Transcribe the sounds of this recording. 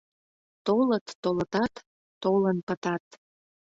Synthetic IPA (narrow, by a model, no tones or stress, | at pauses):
t̪olət̪ːolət̪ɑt̪ː | olənpət̪ɑt̪